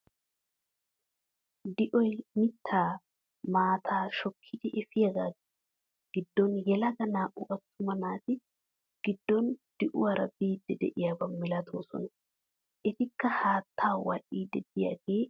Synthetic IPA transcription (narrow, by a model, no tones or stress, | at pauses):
d̪ɪʔɔjmɪt̪ʰːaː | maːt̪ʰaːʃɔkʰːɪd̪ɛʔɛfɪjɐɡaːɡ | ɡ̥ɪd̪ːɔnjɛlɐɡɐnaːʔʊʔɐt̪ːʊmɐnaːt̪ɪ | ɡ̥ɪd̪ːɔnd̪̥ɪʔʊwɐɾɐbiːd̪ːɛd̪ɛ̰ʔɪjaːbɐmɪlɐt̪ʰoːsɔ̰nɐ | ʔɛt̪ɪkːɐhaːt̪ʰːaːwa̰ːʔiːd̪ɛd̪ɪja̰ɡe̞ː